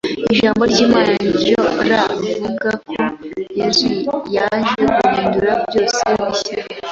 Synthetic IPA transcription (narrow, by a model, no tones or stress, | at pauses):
iʒaːmbo̞ɾɟimaɾaːɲioɾavuɡakʰoiɾijaʒeɡuhiːnduɾabjo̞ːseβise